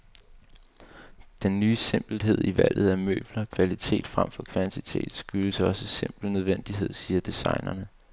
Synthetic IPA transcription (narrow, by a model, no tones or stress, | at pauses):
d̥enːyːse̝mb̥l̩ɦe̝ð̞̰ˠiʋæl̰ð̞̩ˠæmø̰ːb̥lɐkʰʋælit͡sʰe̝̰ːd̥fʁam̰fɒ̽kʰʋænt͡sʰit͡sʰe̝̰ːd̥sɡ̥yləsəɒ̽səse̝m̰b̥lnøð̞ˠʋen̰d̥iɦe̝ð̞̰ˠsiːɐd̥isɑ̈ɪnɐnə